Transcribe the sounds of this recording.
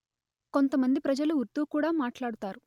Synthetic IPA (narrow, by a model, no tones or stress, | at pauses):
ko̞nt̪ɐmɐnd̪ipɾɐd͡ʒɐluuɾt̪uːkuːɽaːmaːʈlaːɽut̪aːɾu